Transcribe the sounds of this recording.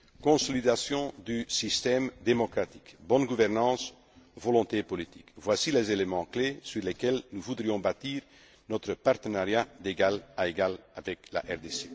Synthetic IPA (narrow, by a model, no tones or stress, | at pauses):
kɔ̃sɔlid̪asjɔ̃d̪ysist̪ɛmd̪emɔkχat̪i̥kbɔnɡuvɛʁnɑ̃s | vɔlɔ̃t̪epɔlit̪i̥kvwasilɛzelemɑ̃klesyʁlɛkɛlnuvud̪ʁijɔ̃bat̪iːʁ | nɔt̪χəpaʁt̪ənaʁjad̪eɡalaeɡalavɛkla̰ʔɛʁd̪ese